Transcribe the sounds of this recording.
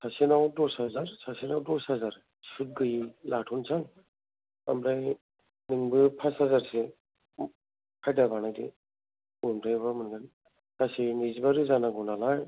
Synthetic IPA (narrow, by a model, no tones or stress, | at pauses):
sasinawdɔsazaɾsasinawdɔsazaɾ | sut̚ɡɯjilatʰunsʰaŋ | a̰mɾaj | niŋbɯpʰasazaɾse | kʰajdabanajdḭ | umtʰajbamɯnɡan | sasinizibaɾɯzanaɡɔnalaj